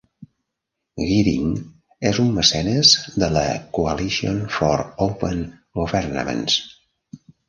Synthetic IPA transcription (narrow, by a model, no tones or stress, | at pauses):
ɣiɾḭŋ | ezumməsɛnəzðələ̰kuəlisionfɔɾowpən | ɡuβɛɾnə̰mə̰ns